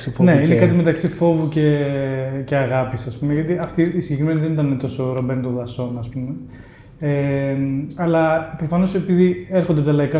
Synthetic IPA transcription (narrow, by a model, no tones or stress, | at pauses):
fne̞inekɐt̪̬ime̞t̪ɐksifo̞vuce | ce̞ɐɣɐpisɐspumeʝɐt̪iɐft̪iːsiʝe̞kɾime̞nizðe̞nit̪ɐnet̪o̞soɾobenut̪oðɐso̞nɐspume | e | ɐlɐpɾofɐno̞se̞piðieɾxond̪eɐpot̪ɐlɐikɐ